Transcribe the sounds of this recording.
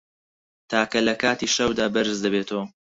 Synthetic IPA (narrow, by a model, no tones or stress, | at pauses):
t̪ʰaːkɐlɐkaːt̪iːʃɐwd̪aːbɐɾɨzd̪ɐbeːt̪ʰɐwɐ